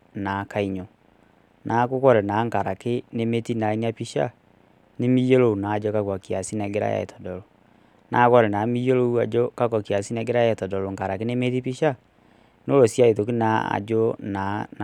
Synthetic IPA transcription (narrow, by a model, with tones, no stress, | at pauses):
na˨ka˨i˨ɲɔ˨ | nʔa˨˦ko˦kɔ˦ɾɛ˨na˨˦ŋka˨ɾa˨ke˦ne˦me˦ti˦na˨i˦ni˦a˦pi˦ʃa˦ | ne˦mi˦jo˦lo˦u˨na˨˦d͡ʒɔ˦ka˦kɔ˨ki˨a˨si˦nɛ˨ɡe˦ɾa̰˦ja̰˨ɛ̰˨tʰɔ˨dɔ˨ɾɔ˨ | na˨˦kɔ˦ɾɛ˨na˨˦mi˦jo˦lo˦u˦a˨d͡ʒɔ˦ka˦kɔ˨ki˨a˨si˦nɛ˨ɡe˦ɾa˦ja˨ɛ˨tɔ˨dɔ˨lɔ˨ŋka˨ɾa˨ke˦ne˦me˦ti˦pi˦ʃa˦ | n˦o˦ɾo˨sja˦e˨ðo˨k̬i˦na˨a̰˨d͡ʒɔ˦na˨